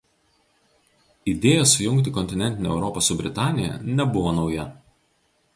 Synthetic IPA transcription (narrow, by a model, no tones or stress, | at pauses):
id̪ʲeːjɛsʊjʊŋʲkt̪ʲɪkɔnʲt̪ʲɪnʲɛnʲt̪ʲɪnʲːɛʊɾɔpɐsʊbʲɾʲɪt̪ɑːnʲɪjɛ̰nʲɛbʊʋoːnɒʊjɛ